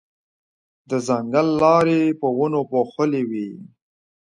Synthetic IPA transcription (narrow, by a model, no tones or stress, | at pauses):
d̪əzaŋɡəlːɑɾepəwənopoxəlewi